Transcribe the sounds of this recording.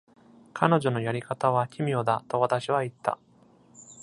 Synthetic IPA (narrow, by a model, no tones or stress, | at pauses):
kʰano̞ʑo̞no̞jaɾʲikat̪aβ̞akʲʰimʲio̞d̪at̪o̞β̞at̪aɕiβait̪ːa̰